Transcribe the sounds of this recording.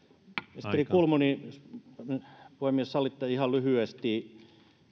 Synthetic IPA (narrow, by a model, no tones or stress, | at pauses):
ist̪erikulmuni | puhemːiessɑlːˑit̪ːɑihɑllyhyest̪iˑ